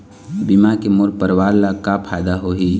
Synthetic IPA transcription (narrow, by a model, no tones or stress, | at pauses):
bimakemoɾpəɾwaːɾlakapʰaːd̪aɦoɦiː